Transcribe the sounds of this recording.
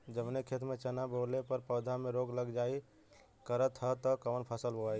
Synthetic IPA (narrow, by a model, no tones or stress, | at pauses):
d͡ʒəbnekʰet̪mẽt͡ʃənabolepəɾpəːd̪ʱamẽɾoːɡləɡd͡ʒaːi | kəɾət̪ɦət̪əkəʋənpʰəsəlboaːi